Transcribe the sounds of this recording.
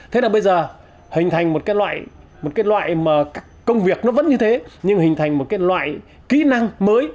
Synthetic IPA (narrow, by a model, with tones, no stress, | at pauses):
t̪ʰe˨˦naː˨˩ɓə˧jzəː˨˩ | hï̟˨˩t̪ʰa˨˩jŋ̟mo˨˩t̚kaː˨˦jlwa̰ː˧˨j | mo˨˩t̚kaː˨˦jlwa̰ː˧˨jmaː˨˩kaː˦˥kːə˧wŋ͡mvi˨˩ək̚nɔ˨˦və̰˧˥nɲɨ˧t̪ʰe˨˦ɲɨ˧ŋhï˨˩ŋ̟t̪ʰa˨˩jŋ̟mo˨˩t̚kaː˨˦jlwa̰ː˧˨j | kḭ˧˥na˧ŋməː˨˦j